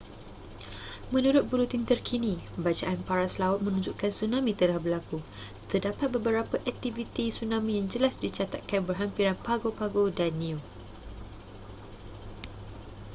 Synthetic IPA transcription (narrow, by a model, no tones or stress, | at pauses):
mə̃nuɾʊt̪̚bulut̪int̪ərkʰinĩbat͡ʃaʔanpaɾaslaʊt̪̚mə̃nũɲd͡ʒuʔkansunãmĩt̪əlahbəlakut̪ərdapat̪̚bəbəɾapaʔɛk̚t̪ivit̪isunãmĩjaŋd͡ʒəlasdit͡ʃat̪at̪̚kanbərɦampiɾanpaɡopaɡodanĩu